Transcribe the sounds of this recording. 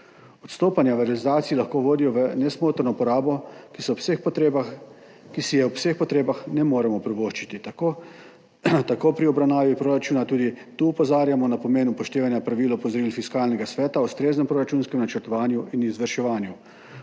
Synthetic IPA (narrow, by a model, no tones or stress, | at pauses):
ɔt̪st̪oːpanjaʋəɾɛlizaːt̪sijilaxkoːʋoːd̪ijɔʋənɛsmoːt̪əɾnɔpɔɾaːbɔkisɔsexpt̪eb | kisijɛwsexpɔt̪ɾeːbaxnɛmoːɾɛmɔpɾiboːʃt͡ʃit̪it̪o | t̪akoːpɾiɔbɾawnaːʋipɾoːɾat͡ʃuːnat̪uːd̪it̪uːɔpɔzaːɾjamɔnapɔmeːnupɔʃt̪eːʋanjapɾaʋiːlɔpɔzɾilfiskaːlnɛɡasʋɛːt̪aust̪ɾeːznɛmpɾoːɾat͡ʃuːnskɛmnat͡ʃəɾt̪ɔʋaːnjuʔinizʋəɾʃɛʋaːnju